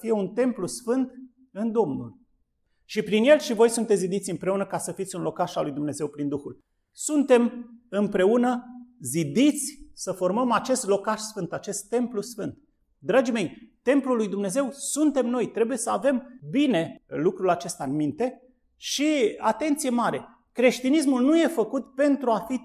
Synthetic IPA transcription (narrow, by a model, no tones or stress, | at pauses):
fije̞unt̪e̞mplusfɨnt̪ | ɨnd̪o̞mnṵl | ʃipɾinje̞lʃivo̞jsunt̪eszid̪it̪sʲɨmpɾe̞unəkasəfit̪sʲunlo̞kaʃalːujd̪umne̞ze̞wpɾind̪uxul | sunt̪e̞mɨmpɾe̞unəzid̪it̪sʲsəfo̞rməmat͡ʃe̞st̪lo̞kaʃsfɨnt̪at͡ʃe̞st̪ːe̞mplusfɨnt̪̚ | d̪ɾad͡ʒime̞jt̪e̞mplulːujd̪umne̞ze̞wsunt̪e̞mno̞jt̪ɾe̞buje̞səave̞mbine̞lukɾulat͡ʃe̞st̪aɨnmint̪e̞ | ʃiat̪e̞nt̪sije̞maɾe̞ | kɾe̞ʃt̪inis̬mulnuje̞fəkut̪pe̞nt̪ɾuafi